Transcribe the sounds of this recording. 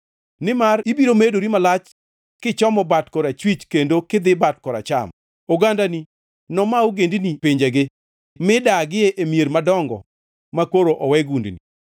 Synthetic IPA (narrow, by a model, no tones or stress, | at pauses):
nɪmaribiɾomedoɾimalat͡ʃ | kɪt͡ʃɔmɔbatkɔɾat͡ʃwit͡ʃkendokɪd̪ɪbatkɔɾa̰t͡ʃa̰m | oɡandani | nɔmaoɡendinipiɲd͡ʒeɡɪ | mɪdaɡɪeʔemieɾmadɔŋɡɔ̰ | makoɾoʔɔwɛɡundni